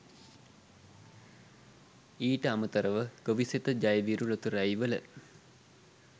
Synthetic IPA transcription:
iːʈəamət̪ɐɾəʋəɡ̥oʋiset̪əd͡ʒajəʋiɾulot̪uɾajʋələ̰

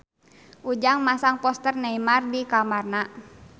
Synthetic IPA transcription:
ʔud͡ʒaŋmasaŋpɔst̪ərnaimardikamarna

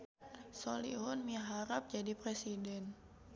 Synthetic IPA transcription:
solḭɦʊnmiɦaɾap̚d͡ʒadipɾesidɛn

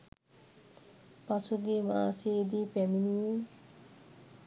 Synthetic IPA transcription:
pat͡sʰuɡimased̪ipemini

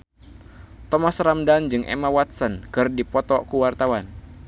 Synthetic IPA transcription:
t̪ɔmasɾamdand͡ʒɨŋʔɛ̰mawat̪̚sɔnkɨrdipɔt̪ɔkuwart̪awan

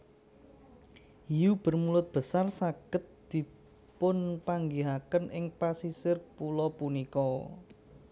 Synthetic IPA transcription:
ijub̥ə̤rmulʊt̪̚b̥ə̤sarsaɡ̥ə̤t̪̚d̪̥i̤ | pʊnpaŋɡiɦakənɪŋpasisɪrpulɔpunikɔ

